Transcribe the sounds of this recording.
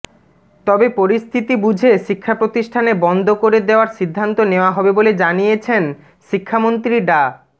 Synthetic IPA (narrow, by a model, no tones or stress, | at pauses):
t̪ɔbepoɾist̪ʰit̪ibud͡ʑʱeʃikʰːapɾot̪iʃʈʰanebɔnd̪ʱokoɾed̪eoaɾʃid̪ʱːant̪oneoaɦɔbeboled͡ʑanijet͡ɕʰen | ʃikʰːamont̪ɾiɖa